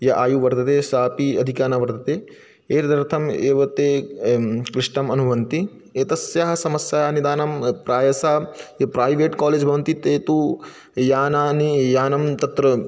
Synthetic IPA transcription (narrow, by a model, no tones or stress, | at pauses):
jɐʔaːjuʋɐɾt̪ɐt̪eːsaːpiɐd̪ʱikaːnaʋɐɾt̪ɐt̪eː | eːɾd̪ʱɐɾt̪ʰɐmeːʋɐt̪eː | kɾiʂʈɐmɐnuʋɐnt̪i | et̪ɐsjaɦɐ̆sɐmɐsjanid̪aːnɐmpɾaːjɐsaːjɐpɾaːjʋeːʈkaːleːd͡ʒbʱɐʋɐnt̪it̪eːt̪u | jaːnaːnijaːnɐmt̪ɐt̪ɾɐ